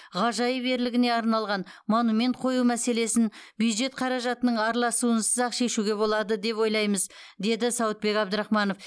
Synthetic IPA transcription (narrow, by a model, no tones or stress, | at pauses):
ʁɑʒɑjəbe̞ɾlɪɡʲɪne̞ɑɾnɑlˠʁɑnmonume̞nt̪̚qʰo̞jumæse̞le̞sɪnbjud̪ʒe̞t̪̚qʰɑɾɑʒɑt̪ənəɴɑɾlˠɑsuənsəzɑqʃe̞ʃuɡʲe̞βo̞lˠɑd̪əd̪e̞pwo̞jlˠɑjməz | d̪e̞d̪ɪsɑwət̪̚be̞kɑbd̪əɾɑχmɑno̞f